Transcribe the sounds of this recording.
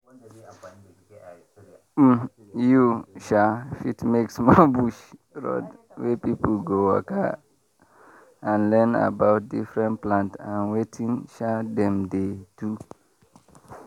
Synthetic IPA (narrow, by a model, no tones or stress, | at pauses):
m | juʃafitmeksmɔbuʃɹɔ̰d | wepipl̩ɡowɔ̰ka | ãnlɛna̰bawt̚difɹɛ̃nplãntãnwetʰĩŋʃadɛ̃mdetu